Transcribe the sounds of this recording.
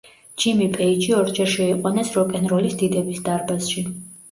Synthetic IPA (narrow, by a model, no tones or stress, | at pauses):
d͡ʒimipʼɛit͡ʃʰʼiɔɾd͡ʒɛɾʃɛiqʼwɔnɛsɾɔkʼɛnɾɔlisd̪id̪ɛbisd̪aɾbasʃi